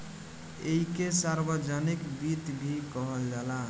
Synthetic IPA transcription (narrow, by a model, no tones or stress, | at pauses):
eɦikesaɾbəd͡ʒənikbit̪bʱikəɦəld͡ʒala